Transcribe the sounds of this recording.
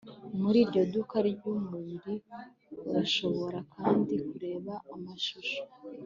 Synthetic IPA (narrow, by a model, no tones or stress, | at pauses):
muɾiːɾɟo̞dukaɾɡumuɾi | kuɾaʃo̞βo̞ɾakʰaːndikuɾe̞ːβaːmaʃuʃo̥